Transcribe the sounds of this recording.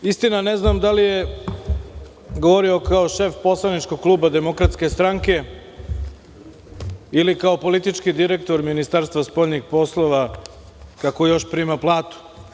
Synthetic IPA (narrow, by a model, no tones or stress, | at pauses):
ist̪inane̞znamd̪alije̞ | ɡoʋo̞ɾio̞kaoʃe̞fpo̞slˠanit͡ʃko̞ɡ̚klˠuːbad̪e̞mo̞kɾat̪ske̞st̪ɾaŋke̞ | ilikao̞po̞lit̪it͡ʃkid̪iɾekt̪o̞ɾminist̪aːɾst̪ʋaspo̞ʎnixpo̞slˠo̞ʋa | kakojo̞ʃpɾiːmaplˠaːt̪u̥